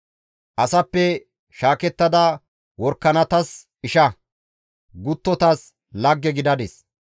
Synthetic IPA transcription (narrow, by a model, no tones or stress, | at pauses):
ʔɐsɐpːɛ | ʃaːkɛt̪ːɐd̪ɐ | wɔɾkːɐnɐt̪ɐs | ɪʃɐ | ɡʊt̪ːɔt̪ɐs | lɐɡːɛɡɪd̪ɐd̪ɛs